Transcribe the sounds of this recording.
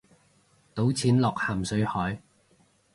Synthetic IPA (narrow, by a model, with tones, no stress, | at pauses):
t̪o˨˥wt͡sʰiː˨˥nlɔː˨k̚haː˨˩msɵ˨˥ɥhɔː˨˥j